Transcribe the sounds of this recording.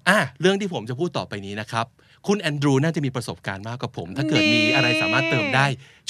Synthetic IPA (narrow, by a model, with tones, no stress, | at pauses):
ʔaː˧˩ɾɯ˥˩ŋt̪iː˥˩o˩˦mt͡ɕa˨˩pʰuː˥˩t̪ːɔː˨˩pa˧jniː˦˥na˦˥kʰɾa˦˥p̚ | kʰu˧nʔɛː˧ndɾuː˧naː˥˩t͡ɕa˨˩miː˧pɾa˧so˨˩p̚kaː˧nmaː˥˩kwaː˨˩pʰo̰˩˦mt̪ʰaː˥˩kɤː˨˩t̪̚miː˧˦˥ʔa˧ɾa˧jsaː˩˦maː˥˩t̪ːɤː˧mdaː˥˩j | t͡ɕ